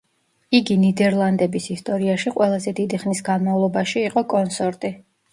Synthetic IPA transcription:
iɡinid̪ɛɾlˠand̪ɛbisist̪ʼɔɾiaʃiqʼwɛlˠazɛd̪id̪iχnisɡanmavlˠɔbaʃiːqʼɔkʼɔnsɔɾt̪ʼi

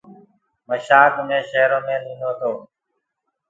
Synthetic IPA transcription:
məʃaːkmẽːʃeːɾõːmẽːlĩːnoːt̪ʰoː

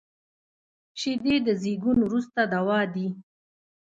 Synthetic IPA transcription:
ʃid̪ed̪əzeɡunwɾust̪ad̪awɑd̪i

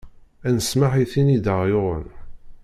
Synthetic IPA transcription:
ænəsmaħiθinid̪əʁjʊʁˤə̰n

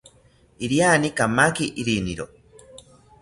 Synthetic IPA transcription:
iɾianikamakiʔiɾinḭɾo̰

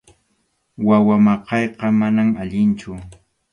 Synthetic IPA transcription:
wawamɑqɑjqɑmanamaʎɪnt͡ʃʊ

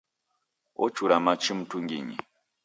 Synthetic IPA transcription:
ɔ̰t͡ʃuɾamat͡ʃim̩tuŋɡḭɲḭ

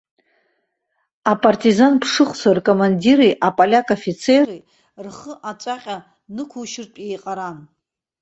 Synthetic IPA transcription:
apʼartʼizanpʰʂɨχʷt͡sʰarkʼomandiɾejʔapʼalʲakʼofit͡sʰee | rχəʔat͡ʃʷʼaqʲʼa | nɨkʷʰuʃɪrtʼjejqʼaɾan

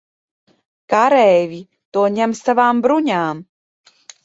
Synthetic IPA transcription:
kaɾɛːvʲi | t̪uɔɲʲɛmsavaːmbɾuɲʲaːm

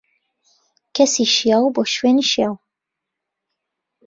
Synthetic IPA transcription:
kʰɐsiʃjaːwboːʃweːniʃjaːw

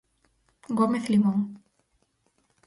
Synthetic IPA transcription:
ɡomeθlimoŋ

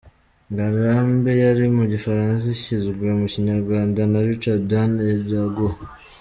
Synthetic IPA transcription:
ŋɡaɾaːmbejaɾimuɟifaɾans̬aciziɡomuciɲaɾɡwaːndanaɾit͡ʃadaneβjaɡo

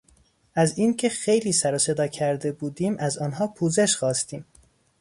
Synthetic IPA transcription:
æziːncʰe̞xe̞jliːsæɾose̞d̪ɒːcʰæɾd̪e̞buːd̪iːmʔæzɒːnɦɒːpʰuːze̞ʃxɒːst̪iːm

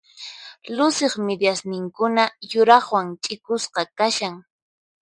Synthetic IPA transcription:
lʊsɪχmɪd̪jasnɪŋkʊnajʊɾɑχwaŋt͡ʃʼɪkʊsqɑkaʃaŋ

